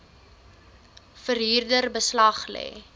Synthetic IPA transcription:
fəɾɦiːrdərbəslɐχlɛ̰ː

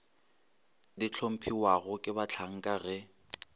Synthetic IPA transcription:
dit͡ɬʰom̩pʰiwaɣʊkʼɪbat͡ɬʰaŋ̩kʼaɣɛ

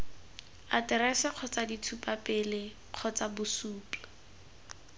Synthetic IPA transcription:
atɪɾɛsɛq͡χʰɔt͡saditʰupapɪlɪ | q͡χʰɔt͡sabʊsuːpla

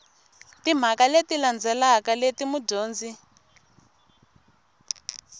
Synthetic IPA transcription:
tim̤akaletiland͡zɛlakaletimuɟoːnd͡zi

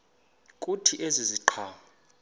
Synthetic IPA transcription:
kʼutʰiʔeziziǃʰaːma

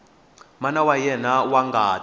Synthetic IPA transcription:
manawajɛnawaŋɡaː

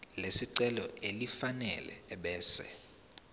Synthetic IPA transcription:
lesiǀɛlɔ̰elifanɛ̰lɛ̰ɓɛːsɛ̰

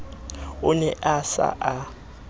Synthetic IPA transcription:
ʊnɛʔasa̰ʔa

